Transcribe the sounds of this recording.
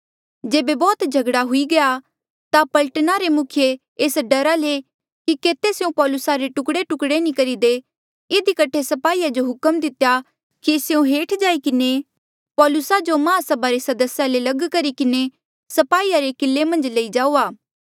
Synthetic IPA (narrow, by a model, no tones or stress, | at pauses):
d͡ʒeːbebɔːt̪d͡ʒʱɐɡɽaɦʊiɡɐja | t̪apɐlʈənaɾemʊkʰjeː | sɖɐɾale | kikeːt̪eseũpɔːlʊsaɾeʈʊkɽeʈʊkɽenĩkɐɾid̪e | ɪd̪ikɐʈʰesɐpaːiːad͡ʒoɦʊkəmd̪ɪt̪eja | kiseũɦeːʈʰd͡ʒaːikɪne | pɔːlʊsad͡ʒomãːsɐbaɾesɐd̪əsjalelɐɡkɐɾikɪne | sɐpaːiːaɾekɪlːemɐ̃nd͡ʒleid͡ʒaːuːaː